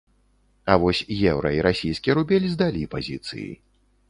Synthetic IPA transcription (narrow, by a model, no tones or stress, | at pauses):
ɐvɔsʲjɛwɾɐiɾasʲijskʲijɛɾubʲɛlʲzd̪alʲipazʲit̪sɨ̰jḭ